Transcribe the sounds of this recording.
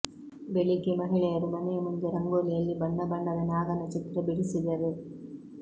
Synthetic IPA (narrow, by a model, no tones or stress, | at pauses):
beɭikimɐɦiɭɐjɐɾumɐnemund̪uɾɐŋɡoːlijɐlːibɐɳːɐbɐɳːɐʋɐnaːɡɐnɐt͡ʃit̪ɾɐbiɽisid̪ɐɾe